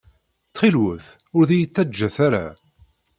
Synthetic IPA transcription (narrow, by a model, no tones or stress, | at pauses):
t͡sχilwəθ | ʊɾðijət͡sːæd͡ʒːæθaɾa̰